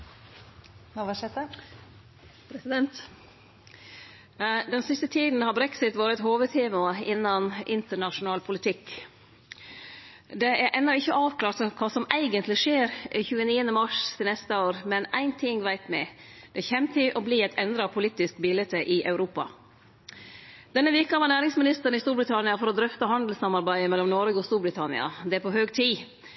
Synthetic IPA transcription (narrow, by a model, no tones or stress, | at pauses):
nɑʋɑʂɛt̪ə | pʰɾɛsɪd̪ɛnt̪ | d̪ɛnsɪst̪ət̪ʰiːd̪n̩hɑbɾɛksɪt̪ʋɑːɾət̪ɦoːʋət̪ʰeːmɑɪnːɑnʔɪnt̪əɳɑʂʊnɑːlpʰʊlɪt̪ʰɪkː | d̪ɛʔæɾʔɛnːɔɪçːəʔɑːʋkʰlɑːɾt̪sɔkʰɑːsɔmæɪɡənt̪lɪʂeːɾɪçʉːəniːənəmɑʂt̪ʰɪlnɛst̪əoːɾmɛnæ̰ɪnt̪ʰɪŋʋæɪt̪mæ̰ɪd̪̥ɛçɛmt̪ʰɪʔɔbliːæɪt̪ɛnd̪ɾɑpʰʊliːt̪ːɪskbɪlət̪ʰəʔɪʔɑʉɾuːpɑ̰ | d̪̥ɛnːəʋɪɾkɑʋɑnæːɾɪŋsmɪnɪst̪əɾnɪst̪uːɾbɾɪt̪ʰɑnɪɑfɔɾɔd̪ɾʏft̪əɦɑnd̪l̩sɑmɑɾbæɪəmɛlːɔmnɔɾəɡɔst̪uːɾbɾɪt̪ʰɑnɪ̰ɑ̰d̪ɛæɾpʰɔɦøːɡt̪ʰiː